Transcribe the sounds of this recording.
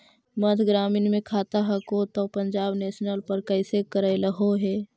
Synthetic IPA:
məd̪ʱɡɾaːmɪnmẽkʰaːt̪aɦɛkot̪ɔpəɲd͡ʒaːbneːsnəlpəɾkəɪsekəɾəɪləɦoɦeː

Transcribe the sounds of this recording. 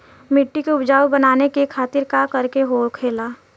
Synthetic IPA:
mɪʈːikeʊbd͡ʒaːwbənaːnekekʰaːt̪ɪɾkakəɾkeɦoːkʰeːlaː

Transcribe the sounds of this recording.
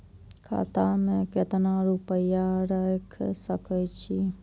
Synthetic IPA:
kʰa̰ːt̪amẽket̪ənaːɾupəjaɾəkʰsəkəjt͡ʃʰi

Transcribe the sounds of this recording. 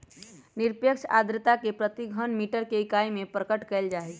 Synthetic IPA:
nɪɾpjəkʃa̰ːd̪ɾət̪akepɾət̪iɡʱənmiːʈəɾkeɪkaːimẽpɾəkəʈkɛld͡ʒaːe

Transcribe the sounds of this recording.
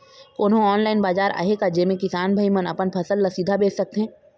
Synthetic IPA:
koːnɦõɔːnlaːɪnbaːd͡ʒaːɾʔa̰ːɦekad͡ʒeːmẽkɪsaːnbʱɐimənɐ̰pənpʰɐsəlːɐsiːd̪ʱabeːssɐk̚t̪eɦɛ̃ː

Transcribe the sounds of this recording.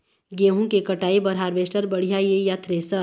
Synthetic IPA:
ɡeːɦũkekɐʈaːebɐɾɦaːɾʋeːsʈəɾbɐɽ̤ijajejaːt̪ɾesə

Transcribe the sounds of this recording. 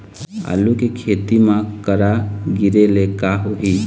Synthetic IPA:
a̰lukekʰet̪imãkəɾaɡiɾelekaɦoɦi

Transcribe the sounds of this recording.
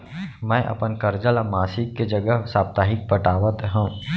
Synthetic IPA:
mɛ̃ːʔɐ̰pənkɐɾd͡ʒəlmaːsɪkːed͡ʒɐɡəɦsaːp̚t̪aːɦɪk̚pəʈaːʋət̪ɦɛ̃

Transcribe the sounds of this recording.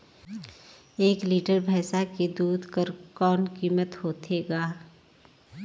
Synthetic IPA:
eːkliːʈəɾbʱɛːsakid̪uːd̪ʱkəɾkɔːnkiːmət̪hoːt̪ʰeːɡaː

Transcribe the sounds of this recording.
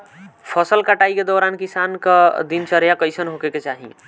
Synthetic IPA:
pʰəsəlkaʈaiked̪oɾankisankəd̪int͡ʃəɾjakəjsənɦokeket͡ʃaɦḭ

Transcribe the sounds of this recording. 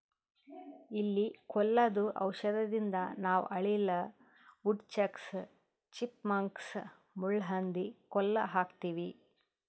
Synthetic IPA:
ilːikɔlːɐd̪uʔɐ̰wʃɐd̪ɐd̪ind̪ɐnaːw̰ʔɐɭilɐ | uɖt͡ʃɐks | t͡ʃipmɐŋks | muɭːɦɐnd̪ikɔlːɐɦaːkt̪iːʋi

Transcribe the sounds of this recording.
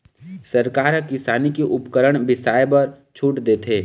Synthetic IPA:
səɾkaːɾɦəkɪsaːnikeʔʊpkəɾəɽ̃bɪsaːjbəɾ | t͡ʃʰuːʈd̪eːt̪ʰɦeː

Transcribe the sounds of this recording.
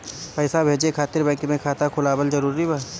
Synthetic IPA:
pɛːɪsabʱeːd͡ʒekʰaːt̪ɪɾbɛ̃ːŋkmẽkʰaːt̪akʰʊlaːbəlzɐɾuːɾibaː

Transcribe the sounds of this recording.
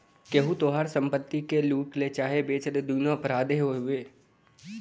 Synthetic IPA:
keɦut̪oːɦaːɾsə̃mpət̪ːikeluːʈlet͡ʃaːɦebeːt͡ʃəd̪ed̪uːnopɾaːd̪eɦoɦʊeː

